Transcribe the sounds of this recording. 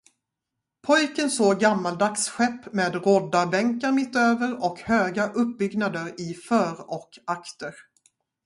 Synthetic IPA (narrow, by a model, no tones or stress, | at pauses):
pʰɔjkənsoːɡamːald̪aksɧɛpːmeːd̪ɾɔd̪ːabɛŋkaɾmɪt̪ːøːvəɾɔkhøːɡaʔɵp̚ːbʏɡnad̪əɾɪfœːɾɔkakt̪əɾ